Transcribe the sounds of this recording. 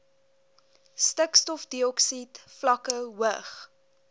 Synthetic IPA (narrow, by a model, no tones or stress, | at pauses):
stəkstɔfdiɔksitflɐkəwəχ